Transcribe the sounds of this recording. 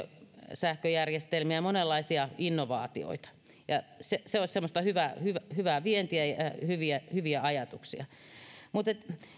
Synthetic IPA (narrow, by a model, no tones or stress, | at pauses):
sæhkøjærjest̪elmiæmonelːɑisiɑinːoʋɑ̰ːt̪io̰it̪ɑ̥ | jɑseseosʲsemːost̪ɑhyʋæhyʋæhyʋæʋient̪iæjɑhyʋiæhyʋiæɑjɑt̪uksḭɑ | mut̪et̪